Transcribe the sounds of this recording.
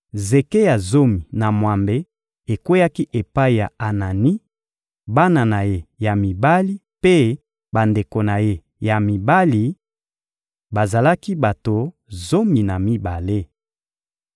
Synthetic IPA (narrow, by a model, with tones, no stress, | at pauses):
ze˨ke˦ja˨zo˦mi˨na˨mwa˨mbe˦ | e˨kwe˦ja˦ki˦ʔe˨pa˦i˨ja˨a˨na˨ni˦ | ba˦na˨na˨je˦ja˨mi˨ba˦li˦ | pe˦ | ba˨nde˨ko˨na˨je˦ | ja˨mi˨ba˦li˨ | ba˨za˨la˦ki˦ba˨to˨ | zo˦mi˨na˨mi˦ba˨le˦